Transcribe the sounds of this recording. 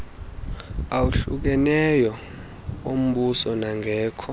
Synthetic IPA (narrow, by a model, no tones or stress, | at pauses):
awuɬṵk̬ɛnɛjɔ | om̩ɓusɔnaŋʱɛːkʰɔ